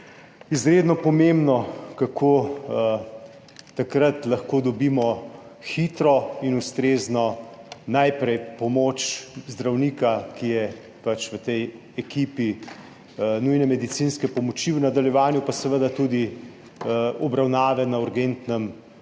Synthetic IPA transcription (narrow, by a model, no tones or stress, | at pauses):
izɾeːd̪nɔpɔmembnɔkakʰoː | t̪akɾat̪lɐxkoːd̪ɔbiːmɔ | xit̪ɾɔinust̪ɾeːznɔnajpɾɛjpɔmoːt͡ʃzd̪ɾawnikakijɛ | pat͡ʃʋət̪ɛj | ɛkiːpi | nujnɛmɛd̪it̪sinskɛpɔmɔt͡ʃiwnad̪aljɛʋaːnjupasɛʋəd̪at̪uːd̪i | ɔbɾawnaːʋɛnauɾɡent̪nɛm